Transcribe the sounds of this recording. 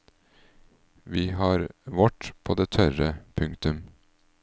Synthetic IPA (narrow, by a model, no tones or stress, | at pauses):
ʋiːhɑːɾʋɔʈpʰoːd̪eːt̪ʰœɾəpʰʉŋkt̪ʉm